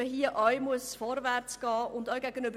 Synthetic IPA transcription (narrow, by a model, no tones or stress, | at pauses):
əɦiəʔɑjmuəsfɔɾvæɾt͡sɡ̥ɑːʔʊndaʊɡæɡənøbə